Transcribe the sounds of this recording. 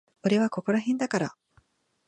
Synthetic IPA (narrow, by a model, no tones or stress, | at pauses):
oɾe̞βako̞ko̞ɾaɦẽnd̪akaɾa